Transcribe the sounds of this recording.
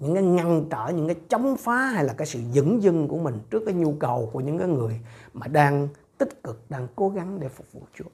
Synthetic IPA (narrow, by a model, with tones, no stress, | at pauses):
ɲɨ̰˧˥ŋkaː˨˦jŋa˧˩ŋt͡ɕə̰ː˧˩ɲɨ̰˧˥ŋkaː˨˦jt͡ɕɔ˨˦wŋ͡mfaː˨˦ɦa˧jlaː˨˩kaː˦˥jsɨ̰˧˨zɨ̰˧˥ŋzɨ˧ŋku˧˩əmï˨˩ŋ̟t͡ɕɨ˦˥ək̚kaː˨˦jɲu˧kə˨˩wku˧˩əɲɨ̰˧˥ŋkaː˨˦jŋɨ˨˩əjmaː˨˩ɗaː˧ŋt̪ï˦˥k̚kɨ˨˩k̚ɗaː˧ŋko˨˦ɣa˨˦ŋɗe˧˩fʊ˨˩k͡p̚vṵ˧˨t͡ɕu˨˦